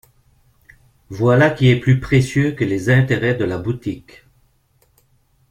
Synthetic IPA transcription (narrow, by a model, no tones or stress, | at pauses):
vwalakʲiɛplypχesjøkəlezɛ̃t̪eʁɛd̪əlabut̪ik